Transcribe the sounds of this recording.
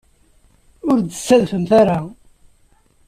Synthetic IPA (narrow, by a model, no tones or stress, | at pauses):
ʊɾd̪ə̥sːæðfəmθaɾa